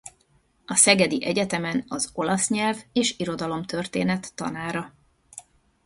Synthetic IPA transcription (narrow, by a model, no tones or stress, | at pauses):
ɒsɛɡɛd̪iʔɛɟɛt̪ɛmɛnɒzo̞lɒsɲɛlveːʃiɾo̞d̪ɒlo̞mt̪ø̞rt̪eːnɛt̪ːɒ̰naːɾɒ